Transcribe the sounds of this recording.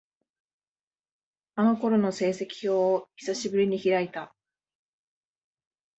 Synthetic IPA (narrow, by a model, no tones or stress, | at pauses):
ano̞ko̞ɾo̞no̞se̞ːse̞kʲi̥ço̞ːçi̥saɕibɯ̟ɾʲiɲ̟içiɾait̪a